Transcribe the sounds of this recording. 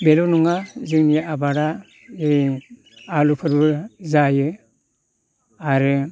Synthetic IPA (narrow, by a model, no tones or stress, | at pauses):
belonuŋazɯŋnijaabaɾa | e | alupʰɯɾbɯzajɯ | aɾɯ